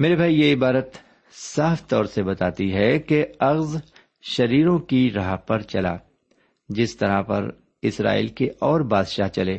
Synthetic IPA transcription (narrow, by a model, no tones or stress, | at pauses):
meːɾebʱaːijeɪbaːɾət̪ | saːft̪ɔːɾsebɐt̪aːt̪iɦɛkeɐɣz | ʃɐɾiːɾõkiɾɐɦapɐɾt͡ʃɐla̰ː | d͡ʒɪst̪ɐɾapɐ̰ɾ | ɪsɾa̰ːḭːlkeʔɔːɾbaːd̪ʃaːɦt͡ʃɐleː